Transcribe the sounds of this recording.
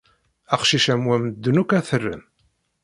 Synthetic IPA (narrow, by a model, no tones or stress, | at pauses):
æqʃiʃæmwæməd̪ːənukæθərːə̰n